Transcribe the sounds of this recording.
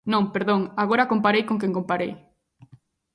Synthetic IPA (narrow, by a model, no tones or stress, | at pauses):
nõŋpeɾðõŋaɣoɾakompaɾejkõŋk̬eŋkompaɾej